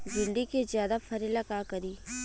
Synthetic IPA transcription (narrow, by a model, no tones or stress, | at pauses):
d͡ʒɪɳɖ̪ikezjaːd̪afʰɐɾelɐkaːkɐɾiː